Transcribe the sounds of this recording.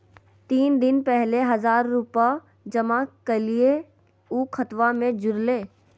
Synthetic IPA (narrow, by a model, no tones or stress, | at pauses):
t̪iːnd̪ɪnpɛɦleɦɐzaːɾːupa | d͡ʒɐmakəlie | uːkʰət̪ʋamẽd͡ʒʊɾleː